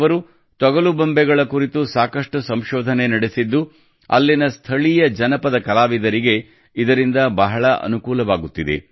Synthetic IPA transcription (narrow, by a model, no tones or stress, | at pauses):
ʋɐɾu | t̪ɔɡɐlubɐmbɛɡɐɭɐkuɾit̪usaːkɐʂʈusɐmʃɔːd̪ʱɐne̞nɐɽesid̪ːu | ɐ̰lːinɐst̪ʰɐɭijɐd͡ʒɐnɐpɐd̪ɐkɐlaːʋid̪ɐɾiɡe̞ | id̪ɐɾind̪ɐbɐɦɐɭɐʔɐ̰nukuːlɐʋaːɡut̪ːid̪e̞̰